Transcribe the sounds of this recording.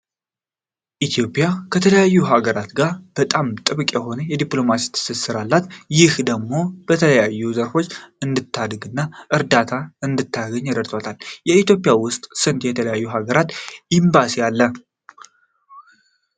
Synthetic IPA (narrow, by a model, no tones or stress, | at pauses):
ʔit̪ʰjo̞pʼjakʰət̪ʰələjajːuɦaɡəɾat̪ɡaɾb̥ət̪ʼamt̪ʼɨβkʼjɛɦo̞nəjɛd̪ipʼlo̞masi̥t̪ʰɨ̥sɨsɨɾalːat̪jɪhd̪əɡmo̞b̥ət̪ʰələjajːuzəɾfo̞t͡ʃːɨnd̪ɨt̪ʰːad̪ɡɨnːaʔɨɾd̪at̪ʰaɨnd̪ɨt̪ʰːaɡəɲːaɾəɾt̪ʰot̪ʰaljɛit̪jo̞pʼjawʊst̪ʼsɨnt̪jɛt̪ʰələjajːuɦaɡəɾat̪ʔimbasijalːə